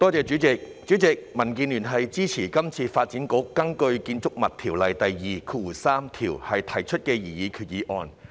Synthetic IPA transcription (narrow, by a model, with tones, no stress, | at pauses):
t̪ɔː˥t͡sɛː˨˧t͡syː˨˥t͡sɪ˨k̚t͡ʃy˨˥t͡sɪ˨k̚mɐ˨˩nk̬iː˧nlyː˨˩nɦɐ˨jt͡siː˥t͡sʰiː˨˩kɐ˥mt͡sʰiː˧faː˧t̚t͡siː˨˥nkʊ˨˥kːɐ˥ŋkɵ˧ɥkiː˧nt͡sʊ˥k̚mɐ˨t̪ʰiː˨˩wlɐ˨jt̪ɐ˨jjiː˨˧kʰuː˧wuː˨˩saː˥mt̪ʰiː˨˩whɐ˨jt̪ʰɐ˨˩jt͡ʃʰɵ˥t̚kɛː˧jiː˨˩jiː˨˧kʰyː˨t̚jiː˨˧˥ʔɔː˧n